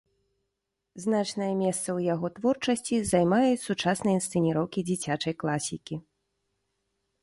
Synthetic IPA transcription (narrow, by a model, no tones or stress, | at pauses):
znat͡ʂnɐjɐmʲɛst̪sɐwjaɣɔt̪vɔrt͡ʂɐsʲt͡sʲizajmajusut͡ʂasnɐjinst̪sɨnʲiɾɔwkʲid͡zʲit͡sʲat͡ʂɐjklˠasʲikʲi